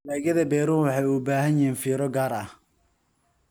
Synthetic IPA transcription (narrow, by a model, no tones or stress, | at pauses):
laːɣjɐðɐbɛːɾʊwɑħɑjubaːɦɐnjiːnfiːɾɔɡaːɾɐh